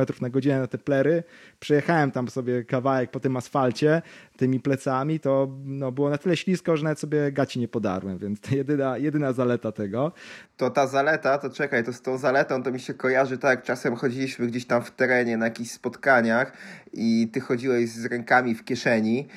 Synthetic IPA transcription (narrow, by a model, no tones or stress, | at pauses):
ɛt̪ɾufnaɡɔd͡ʑinɛnat̪ɛplɛɾɘ | pʂɛjɛxawɛmt̪amsɔbʲjɛkavawɛk̚pɔt̪ɘmasfalt͡ɕɛt̪ɘmʲiplɛt̪samʲit̪ɔnɔbɘwɔnat̪ɘlɛɕlʲiskɔʐɛnavɛt̪sɔbʲjɛɡat͡ɕiɲɛpɔd̪a̰ɾwɛmvʲjɛnt̪st̪jɛd̪ɘnajɛd̪ɘnazalɛt̪at̪ɛɡɔt̪ɔt̪azalɛt̪at̪ɔt͡ʂɛkajt̪ɔst̪ɔ̃w̃zalɛt̪ɔ̃w̃t̪ɔmʲiɕɛkɔjaʐɘt̪ak̚t͡ʂasɛmxɔd͡ʑilʲiɕmɘɡd͡ʑeɕt̪amft̪ɛɾɛɲɛnajakʲiɕspɔt̪kaɲaxit̪ɘxɔd͡ʑiwɛʑzɾɛŋkamʲifkʲɛʂɛɲi